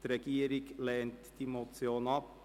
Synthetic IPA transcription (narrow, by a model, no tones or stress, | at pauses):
t̪ɾɛɡiːɾɪɡleːnt̪d̪iːmʊt̪sɪoːnɑp